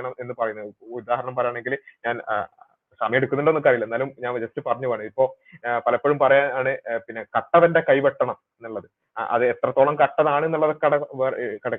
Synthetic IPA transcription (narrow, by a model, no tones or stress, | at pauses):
ɐɳɐme̞nːɨpɐrɐjunːuud̪aːɦɐɾɐɳɐmpɐɾɐjaːɳe̞ŋɡilɲaːn | sɐmɐjeɽukːunːiɳɖoukːɐrijilːɐenːaːlumɲaːnd͡ʑɐstɨpɐrɐɲːuʋaːɳɨipːo̞ː | pɐlɐpːoɻumpɐrɐjaːaːɳɨpinːekɐʈːɐʋɐnde̞kɐjpeʈːɐɳɐm | enːuɭːɐðɨ | ɐ̰ðɨet̪rɐt̪ːoːɭɐmkɐʈːɐðaːɳɨenːuɭːɐðkːɐɽɐʋkɐɽɐkː